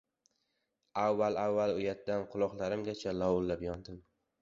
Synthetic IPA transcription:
avːalavːalʊjat̪d̪anqʰʊlˠɒqlˠaɾɪmɡʲat͡ʃʰalɒwʊlːapjɒnd̪ɪm

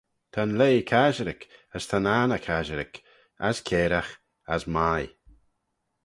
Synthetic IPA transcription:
t̪ʰanleːkʰaʒəɾɪkəst̪ʰananəkʰaʒəɾɪk | a̰skʰeːɾax | asmaj

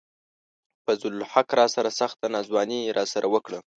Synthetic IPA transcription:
fazʊlħakɾɑsaɾasaxt̪anɑzwɑniɾʔɑsaɾʔawəkɽə

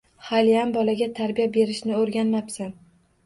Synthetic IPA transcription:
halijambɒlaɡʲat̪ʰaɾbijabe̞ɾɪʃnɪoɾɡʲanmapsan

